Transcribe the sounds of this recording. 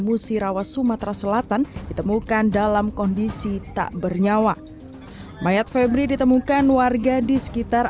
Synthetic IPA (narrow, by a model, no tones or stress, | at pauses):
musiɾawat̪sumat̪ɾasəlat̪andit̪əmukandalamkɔndisit̪a̰ʔbərɲawa | majat̪̚fɛbɾidit̪əmukanwarɡadisə̥kit̪ar